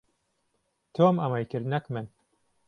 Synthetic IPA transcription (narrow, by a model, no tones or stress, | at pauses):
t̪ʰomɐmɐjkɨɾd̪nɐkmɨn